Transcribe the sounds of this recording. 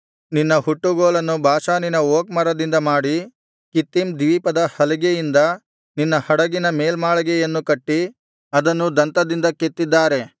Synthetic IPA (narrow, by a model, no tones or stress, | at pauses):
ninːɐɦuʈːuɡoːlɐnːubʱaːʃaːninɐoːk̚mɐɾɐd̪ind̪ɐmaːɽi | kit̪ːimd̪iʋipɐd̪ɐhɐliɡejind̪ɐ | ninːɐhɐɽɐɡinɐmeːlmaːɭɐɡɛjɐnːukɐʈːi | ɐd̪ɐnːud̪ɐnt̪ɐd̪ind̪ɐket̪ːid̪ːaːɾe̞